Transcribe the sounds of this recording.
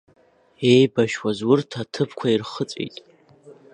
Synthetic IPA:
ejbaʃwazwʊrtʰatʰɨpʰkʷʰairχət͡sʼḭjtʼ

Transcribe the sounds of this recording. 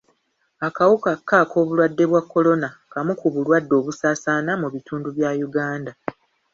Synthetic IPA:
akawukakːako̞ːβulwadːe̞βwakːo̞lo̞nakamukuβulwadːo̞ːβusaːsaːnamuβituːnduβjaːjuɡaːnda

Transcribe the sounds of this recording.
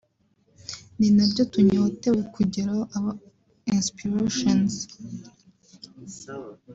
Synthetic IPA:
ninabɟo̞tuɲoːte̞wekuɟeɾaʔaβa | inspiɾeʃons

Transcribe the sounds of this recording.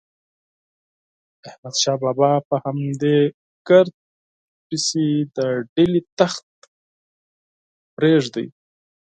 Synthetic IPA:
ahmad̪ʃɑːbɑːbapəhamd̪e | kaɾt̪̚ | pisid̪əɖelit̪axt̪ | pɾeʐd̪ə̰j

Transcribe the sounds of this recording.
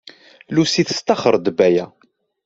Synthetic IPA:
lusiθə̥st̪ɑχəɾˤd̪bæjæ

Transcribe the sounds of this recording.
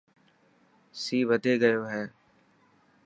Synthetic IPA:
siːʋəd̪ʱeːɡəjoːɦɛː

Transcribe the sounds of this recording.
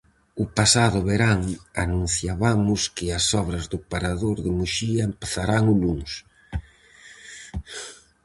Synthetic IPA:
ʊpasaðʊβeɾaŋa̰nũn̟θjaβamʊskɪasɔβɾɐzðʊpaɾaðoɾðɪmuʃiɐempeθaɾaŋʊluns

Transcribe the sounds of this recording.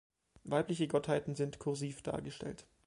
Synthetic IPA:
vaɪplɪçəɡɔthaɪtn̩zɪntkʰʊɐziːfd̥a̰ːɐɡəʃtɛ̰lt

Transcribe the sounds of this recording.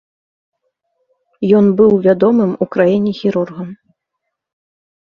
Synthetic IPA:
jɔnbɨwvʲad̪ɔmɨmukɾajinʲixʲiɾurɣɐm

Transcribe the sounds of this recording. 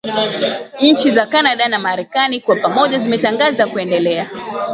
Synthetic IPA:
ɲ̩t͡ʃizakanaɗanamaɾɛkanikwapamɔʄazimɛtaŋɡazakuɛndɛlɛa

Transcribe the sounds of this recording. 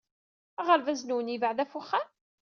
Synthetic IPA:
æʁəɾvæznuwənivəʕðæfuχːan

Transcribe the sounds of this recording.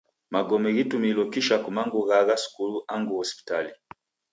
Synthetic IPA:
maɡɔmɛɣitumilɔkiʃakumaŋɡuɣaɣasu̥kuluʔaŋɡuhɔspi̥tali

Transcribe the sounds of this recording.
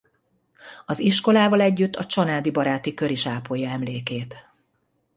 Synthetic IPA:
ɒziʃko̞laːvɒlɛɟːyt̪ʰːɒt͡ʃɒnaːd̪ibɒɾaːt̪ikø̞ɾiʃaːpoːjɒɛmleːkeːt̪

